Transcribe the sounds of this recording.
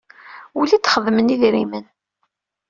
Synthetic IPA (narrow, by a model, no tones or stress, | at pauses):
ulit͡sːχəðməniðɾimən